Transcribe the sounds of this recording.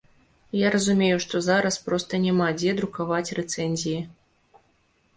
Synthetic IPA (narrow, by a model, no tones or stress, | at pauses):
jaɾɐzumʲejuʂt̪ɔzaɾɐspɾɔst̪ɐnʲɛmad͡zʲɛd̪ɾukavat͡sʲrɛt̪sɛnʲzʲiji